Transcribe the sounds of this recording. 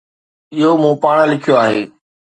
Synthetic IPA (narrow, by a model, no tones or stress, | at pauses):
ɪɦomũːpaːɽ̃əlɪkʰijoaːɦeː